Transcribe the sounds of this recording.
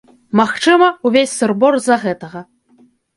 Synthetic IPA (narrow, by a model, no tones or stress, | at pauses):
maxt͡ʂɨmɐuvʲesʲsɨrbɔrzɐɣɛt̪ɐɣɐ